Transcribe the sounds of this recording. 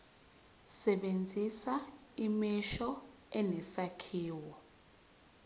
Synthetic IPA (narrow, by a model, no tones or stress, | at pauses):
sɛɓend͡zʱisaimiʃɔ | ɛnɛsakʰiːwɔ